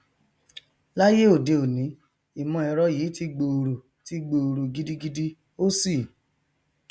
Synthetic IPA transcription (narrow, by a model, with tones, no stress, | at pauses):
la˦je˦o˦˨de˧˨o˨nĩ˨˦ | i˨mɔ̃˧ɛ˧ɾɔ˦jiː˨˦ti˧ɡ͡bo˧o˨ɾo˨ | ti˦ɡ͡bo˧o˨ɾo˨ɡi˦di˦ɡi˦di˦ | o˦si˦˨